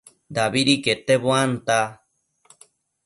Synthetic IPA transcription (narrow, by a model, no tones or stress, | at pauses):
d̪aβiɾiket̪eβoant̪a